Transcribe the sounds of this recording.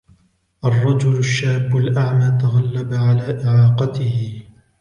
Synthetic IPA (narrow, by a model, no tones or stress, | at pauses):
ʔɑrˤːɑd͡ʒʊlaʃːaːbːalʔaʕmaːt̪aɣalːabaʕalaːʔɪʕɑːqɑt̪ɪhɪ